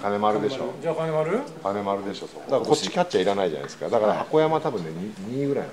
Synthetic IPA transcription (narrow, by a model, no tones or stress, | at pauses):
kane̞maɾɯ̟d̪e̞ɕo̰d͡ʑakanemaɾɯkane̞maɾɯ̟d̪e̞ɕoso̰d̪akkott͡ɕːi̥kʲatːt͡ɕːaiɾanaiʑa̰na̰id̪esɨ̥ka̰d̪akaɾahako̞jamat̪abɯ̟̃nːeɲiɲ̟iːɡɯ̟ɾaḭn